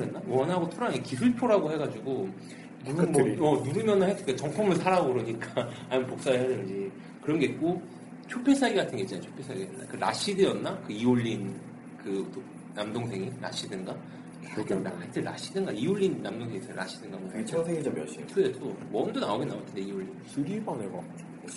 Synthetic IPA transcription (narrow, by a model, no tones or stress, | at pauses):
ɾɦenːawʌnaɡotʰoɾaɡekisuɭpʰjoɾaɡohe̞ɡad͡ʑiɡo | nuʌnuɾɯmjʌnɯnhatʰɯnkat͡ɕʌŋpʰumɯɭsʰaɾaboɾoɲik͈aaɲimʌnpok̚s͈aɯɭɦadɯnd͡ʑi | kɯɾʌnɡe̞it̚k͈o | t͡ɕʰopʰe̞sʰaiɡatʰɯnɡet͡ɕ͈anat͡ɕʰo̥pʰe̞sʰaijʌnːa̰kɯɾa̰ɕ͈ʰidɯjʌnːakɯioʎːin | kɯto | namdoŋsʰe̞ŋiɾa̰ɕ͈ʰidɯnɡa | ɯkɯnaɭt͈ʰeɾa̰ɕ͈ʰidɯnɡaioʎːinːamdoŋsʰe̞ŋitʰɯɾa̰ɕ͈ʰidɯnɡanait͡ɕʰʌsʰeŋid͡ʑʌmjʌ̰ɕ͈ḭkʰɯɾetomʌndonaoɡenawatʰendeiwoɭːinsuɾibaŋeɡa̰